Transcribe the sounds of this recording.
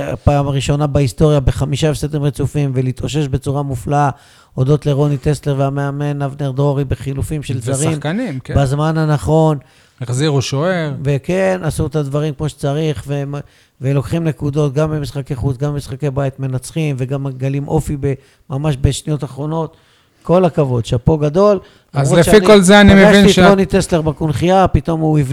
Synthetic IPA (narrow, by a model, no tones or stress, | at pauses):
a̰paːmaʁiʃo̞nabaist̪o̞ʁjabe̞χamiʃaefsed̪imʁet͡sufimve̞lit̪ʔo̞ʃ̬e̞ʃbe̞t͡suʁamufla | o̞d̪o̞t̪leʁo̞nit̪e̞sle̞ʁveameame̞navneʁd̪ʁo̞ʁibeχilufimʃelzaʁimanimbazmanhanaχo̞n | aχziʁuʃoeʁve̞kenasuet̪advaʁimkmo̞ʃe̥t͡saʁiχve | velo̞kχimne̞kud̪o̞t̪ɡambemisχakeχut͡sɡambemisχake̞jbait̪me̞nat͡sχimve̞ɡamaɡalimʔo̞fibe | mamaʃbeʃnijo̞t̪aχʁo̞no̞t̪ | ko̞lakavo̞d̪ʃeapo̞ɡad̪o̞l | azʁolet͡ʃaikolzeanimeviiionit̪est̪le̞ʁbakunχiapit̪o̞muiv